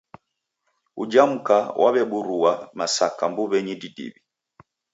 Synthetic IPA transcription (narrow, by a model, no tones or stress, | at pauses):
ud͡ʒam̩kawʔaβɛɓuɾuamasakambuβɛɲididḭβi